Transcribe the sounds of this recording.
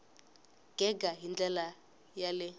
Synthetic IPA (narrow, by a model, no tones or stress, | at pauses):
ɡ̥ɛɡaɦind͡ɮɛla | jalɛ